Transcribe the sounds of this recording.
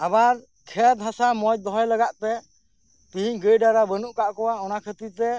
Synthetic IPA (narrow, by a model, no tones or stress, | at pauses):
abaɾ | kʰɛt̪ɦãsamɔj̚d̪ɔɦɔjləɡaʔpɛ | piɦiɲɡəjɖaɾabənuʔkaʔkɔwaɔnakʰət̪iɾt̪ɛ